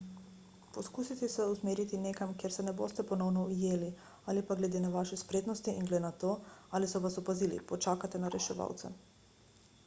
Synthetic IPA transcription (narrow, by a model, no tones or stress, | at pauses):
pɔskusit̪ɛsɛusmeːɾit̪ineːkamkjeɾsɛnɛbo̰st̪ɛpɔnɔwnɔujeːli | alipaɡlɛd̪enaʋaʃɛspɾeːt̪nɔst̪iʔiŋɡlɛnat̪oːalisɔʋasɔpazilḭpɔt͡ʃaːkat̪ɛnaɾɛʃɛʋa̰ːwt̪sɛ̰